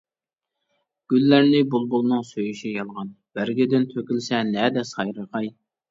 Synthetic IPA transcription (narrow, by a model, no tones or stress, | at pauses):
ɡ̥ʲylːæɾnɪbulˠbulˠnɨŋsøjyʃijɑlˠʁɑn | b̥æɾɡʲɪd̪ɪnt̪ʰøkʲylsɛnɛd̪ɛsɑjɾəqɑj